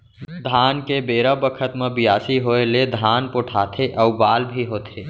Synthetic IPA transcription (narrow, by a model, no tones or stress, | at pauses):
d̪ʱankebeɾəbəkʰət̪mẽbijaːsiɦoeled̪ʱanpoʈʰat̪ʰeʔəubaːlbʱiɦoːt̪ʰe